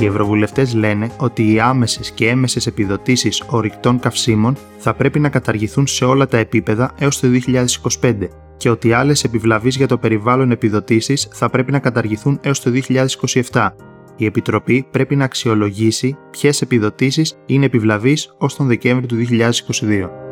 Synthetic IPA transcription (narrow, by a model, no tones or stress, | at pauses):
ie̞vɾo̞vule̞ft̪e̞zle̞ne̞o̞t̪iːɐme̞sesce̞eme̞se̞se̞piðo̞t̪isiso̞ɾikt̪o̞ŋkɐfsimo̞n | θɐpɾe̞pinɐkɐt̪ɐɾʝiθunse̞o̞lɐt̪ɐe̞pipe̞ðɐe̞o̞st̪o̞ðio̞çiʎɐðe̞si̥ko̞si̥pe̞nd̪e̞ | ce̞o̞t̪iɐlese̞pivlɐvizʝɐt̪o̞pe̞ɾivɐlo̞ne̞piðo̞t̪isisθɐpɾe̞pinɐkɐt̪ɐɾʝiθune̞o̞st̪o̞ðio̞çiʎɐðe̞si̥ko̞sie̞ft̪ɐ | ie̞pit̪ɾo̞pipɾe̞pinɐːksio̞lo̞ʝisipçe̞se̞piðo̞t̪isisine̞ːpivlɐviso̞st̪o̞nðe̞ce̞ɱvɾiot̪uðio̞çiʎɐðe̞si̥ko̞siðio̞